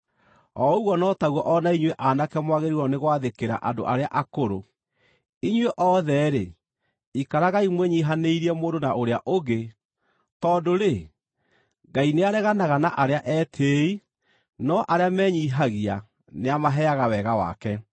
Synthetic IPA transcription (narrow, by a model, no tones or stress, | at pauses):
ɔuɣwɔnɔtaɣwɔʔɔnaiɲweʔanakɛmwaɣeɾiɾɔneɣwaðekeɾa̰ʔando̰ʔaɾeaʔakoɾo | iɲweʔɔðɛɾe | ikaɾaɣaimweɲiːɦaneiɾiɛmoːndonaoɾeaʔoɡe | tɔndoɾe | ɡaineaɾɛɣanaɣanaʔaɾeaʔɛtʰei | nɔʔaɾeamɛɲiɦaɣia | neamaɦɛaɣawɛɣawa̰kɛ